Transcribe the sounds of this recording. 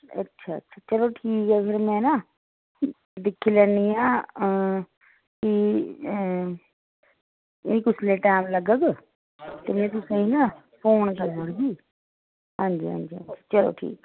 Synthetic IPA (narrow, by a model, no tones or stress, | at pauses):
ə̰tːʃʰaːə̰tːʃʰaːt͡ʃəloːʈʰiːkɛːpʰɪɾmɛ̃ːnaː | d̪ɪkʰːiːlɛːniːãː | kɪ | nĩːkʊslẽːʈaːmləɡəɡ | t̪eːmɛ̃ːt̪̬ʊsĩːnaː | pʰoːɳkəɾəɽɡiː | ɦãːnd͡ʒiːɦã̰ːnd͡ʒiːə̰t͡ʃʰʃʰḁːt͡ʃəlo̰ːʈʰḭːk